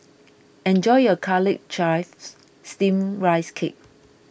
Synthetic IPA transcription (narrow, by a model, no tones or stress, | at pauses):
ɛ̃nd͡ʒɔjəkʰalɪk̚t͡ʃajfs | stĩmɹaɪskʰḛp̚